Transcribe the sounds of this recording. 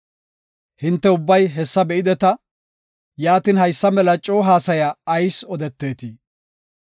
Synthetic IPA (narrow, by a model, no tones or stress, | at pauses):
hɪnt̪ːɛʊbːɐjɦɛsːɐbɛʔɪd̪ɛt̪ɐ | jaːt̪inhɐjsːɐmɛlɐt͡ʃʼoːɦaːsɐjɐːjsɔd̪ɛt̪ːe̞ːt̪i